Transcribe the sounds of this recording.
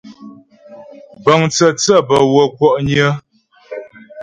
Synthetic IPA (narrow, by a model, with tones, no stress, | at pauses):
bə˨ŋt͡sə˨t͡sə˦˨bə˨wə˨kwɔ˦ʔɲə˦